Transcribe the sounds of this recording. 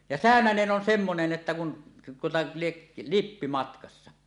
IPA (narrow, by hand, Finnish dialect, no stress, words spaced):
jɑ sæˑønænen ʔon semːonen etːæ kun tuotɑ lieʔ lipːi mɑtkɑsːɑ